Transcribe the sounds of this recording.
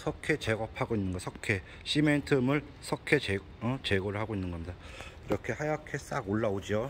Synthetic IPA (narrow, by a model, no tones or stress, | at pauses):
sʰʌkʰe̞t͡ɕe̞ɡʌpʰaɡoinːɯnɡʌsʰʌkʰe̞ | ɕ͈ʰime̞ntʰɯmɯɭ | sʰʌkʰe̞t͡ɕe | t͡ɕe̞ɡoɾɯɭhaɡoinːɯnɡʌmɲida | iɾʌkʰe̞hajakʰe̞s͈aɡoɭːaod͡ʑio